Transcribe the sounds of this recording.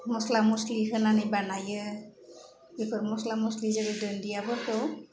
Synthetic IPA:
mɔslamɔsliɦɯnanɯbanajɯ | ekʰɯɾmɔslamɔslizededɯndijabɔtɔ

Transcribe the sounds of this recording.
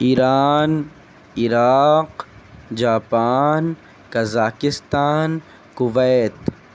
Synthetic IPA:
iːɾaːn | ɪɾaːq | d͡ʒaːpaːn | kɐzaːkɪst̪aːn | kʊʋɛːt̪

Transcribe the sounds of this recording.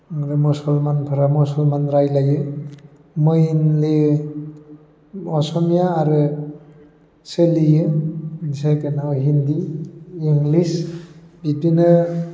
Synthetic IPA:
ɾɯmɔsɔlmanpʰɯɾamɔsɔlmanɾajlajɯ | mɯjnli | ɔsɔmijaːɾɯ | selijɯ | sakenaɔɦindiiŋɡlisbibinɯ

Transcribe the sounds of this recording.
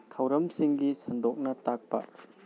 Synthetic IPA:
tʰawɾɐmsiŋɡisɐndɔk̚nɐtak̚pɐ̰

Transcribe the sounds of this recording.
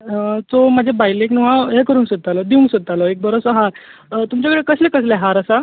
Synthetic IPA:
t͡somad͡ʑʱebajleknuɦaɦekəɾuːnsət̪alɔd̪iũnsət̪alɔek̚bəɾosəɦaɾt̪umt͡ɕakəɽekəslẽkəsleɦaɾəsa

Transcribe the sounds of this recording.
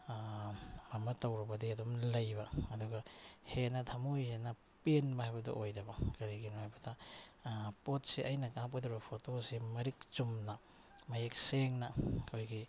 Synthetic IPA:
mɐmɐtɐwɾɐbɐdiɐdomlɐjbaɐduɡahenɐtʰɐmojhenɐ | penbɐhajbɐdɔ̰ʔojdɐbɐkɐɾiɡinohajbɐda | pot̚siʔɐjnɐkap̚kɐdɔɾbɐpʰotosimɐɾik̚t͡ʃumna | mɐjek̚seŋnɐkʰojɡi

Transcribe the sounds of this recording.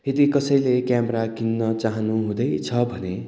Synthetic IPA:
ed̪ikʌsʌjlekjameɾakinːʌt͡saɦʌnuɦũd̪ʌjt͡sʰʌbʱʌne

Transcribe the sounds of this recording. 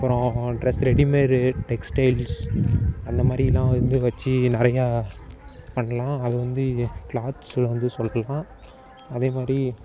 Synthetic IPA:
ɐpɾõɖɾɛsɾɛɽimeːɾɯʈɛksʈɐɪls | ɐnd̪ɐmaːd̪ɾɪɪlːãːʋɐnd̪ɯʋɐt͡ʃːɯnɪɾɐjaː | pɐɳːɐlãːɐðɯʋɐnd̪ɯklaːt̪sʋɐnd̪ɯsɔlɾɐlãː | ɐðeːmaːd̪ɾi

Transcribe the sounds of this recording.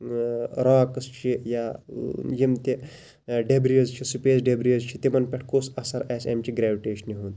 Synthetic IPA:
ɾaːkst͡ʃʰija | jimt̪e | ɖebɾijɐzt͡ʃʰisupeːsɖebɾijɐzt͡ʃʰit̪emɐnpʲɛʈʰkosɐsɐɾɛsemt͡ʃiɡɾɛʋiʈeːɕəniɦuːnd̪

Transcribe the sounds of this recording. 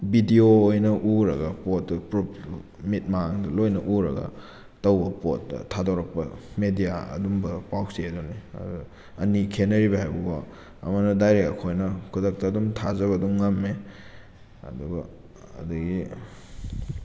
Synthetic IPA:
bidioːjnɐʔuɾɐɡɐpot̚ːɐpɾu | mit̚maŋdɐlojnɐʔuɾɐ̰ɡɐ̰ | tɐwbɐpot̚dɐ̰tʰadoɾɐk̚pɐmedijaɐ̰dumbɐpawsedɔniɐ̰d | ɐnikʰenɐɾibɐhajbua | ɐ̰mɐnɐdajɾeɐkʰojnɐkʰudɐk̚tɐːdumtʰazɐβɐduŋːamːe | ɐ̰dubɐ̰ | ɐ̰duɡi

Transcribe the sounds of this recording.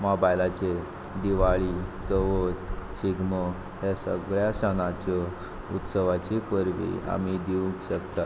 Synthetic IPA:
mɔbajlat͡ɕe | d̪iʋaɭit͡səʋot̪ɕiɡmɔ | ɦesə̰ɡɭjaɕənat͡ɕɔ | ṵt̪səʋat͡ɕipəɾʋḭa̰mid̪iʋũkɕəkt̪a

